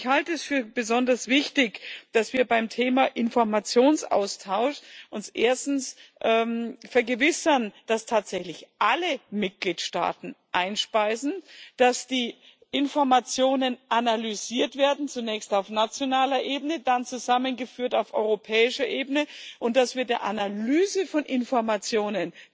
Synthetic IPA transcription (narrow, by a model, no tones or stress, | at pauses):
ɪçhaltəɛsfyːɐbəzɔndɐsv̥ɪçtɪçd̥asv̥iːɐbaɪmtʰeːmaʔɪnfɔɐmat͡sjoːnsʔa̰ʊstʰaʊʃʔʊnsʔḛːɐstn̩sʔɛːmfɛɐɡəvɪsɐnd̥astʰaːtz̥ɛçlɪçʔaləmɪt̚ɡ̥liːtʃta̰ːtn̩ʔaɪnʃpaɪsn̩d̥asd̥iː | ʔɪnfɔɐmat͡sjoːnənʔanalyziːɐtv̥eːɐdn̩t͡sunɛːçstaʊfnat͡sjonaːlɐʔeːbənədant͡suzamənɡəfyːɐtaʊfʔɔ̰ʏʁopʰɛːɪʃɐʔeːbənəʔʊnt̚d̥asv̥iːɐdeːɐʔa̰nalyːzəfɔnʔɪnfɔɐmat͡sjoːnən